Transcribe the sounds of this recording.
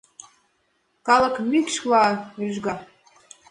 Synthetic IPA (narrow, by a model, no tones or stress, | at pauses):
kɑlɤ̆kmykʃlɑyʒɡɑ